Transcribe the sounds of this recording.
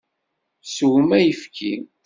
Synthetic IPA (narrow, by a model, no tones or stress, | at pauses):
suwmæjəfkʰin